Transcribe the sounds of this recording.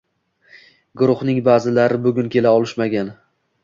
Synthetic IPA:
ɡʊɾʊχnɪŋbaːzɪlaɾɪbʊɡʲʊnkʲe̞laɒlˠɪʃmaɡʲan

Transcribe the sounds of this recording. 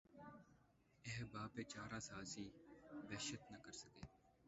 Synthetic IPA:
eɦbaːpeːt͡ʃaːɾaːsaːsiːʋɛːʃət̪nəkəɾsəkeː

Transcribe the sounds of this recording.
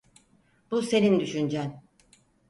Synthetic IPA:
b̥use̞nind̪yʃynd͡ʒæn

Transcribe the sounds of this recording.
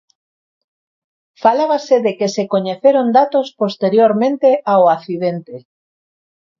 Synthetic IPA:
falaβaseðekesekoɲeθeɾond̪at̪ospost̪eɾjoɾmẽnt̪eʔaoaθiðent̪e

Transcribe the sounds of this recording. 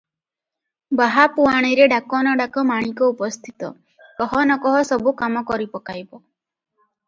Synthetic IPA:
baɦapuaɽ̃iɾeɖakɔnɔɖakɔmaɽ̃ikɔupɔst̪ʰit̪ɔ̰ | kɔɦɔnɔkɔɦɔsɔbukamɔkɔɾipɔkajbɔ

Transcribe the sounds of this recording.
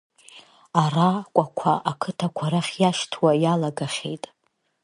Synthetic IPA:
arakʷʼakʷʰaʔakʰɨtʰakʷʰaɾaχʲjaʃtʰwajalaɡaχʲe̞̰jtʼ

